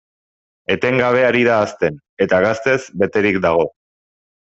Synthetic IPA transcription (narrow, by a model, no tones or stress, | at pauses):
e̞t̪e̞ŋɡaβ̞e̞aɾiðaːst̪e̞n | e̞t̪aɣast̪e̞zbe̞t̪e̞ɾikd̪aɣ̞o̞